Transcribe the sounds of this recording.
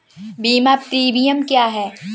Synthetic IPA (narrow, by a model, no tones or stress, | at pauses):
biːmaːpt̪ɾiːbijəmkjaːɦɛː